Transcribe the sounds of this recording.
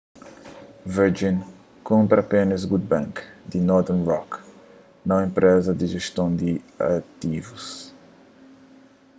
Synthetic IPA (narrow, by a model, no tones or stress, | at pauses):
vɛɾd͡ʒin | kõmpɾɐapenɐsɡud̪̚bɛ̃ŋkd̪inɔɾd̪ɛnrɔk | nɐẽmpɾʔɛzɐd̪iʒeʃt̪õnd̪ia̰t̪ivus